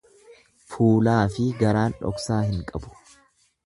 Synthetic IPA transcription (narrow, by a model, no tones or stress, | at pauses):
fuːlaːfɪɡɐɾaːnᶑɔ̰ksaːhɪŋkʼɐbʊ̥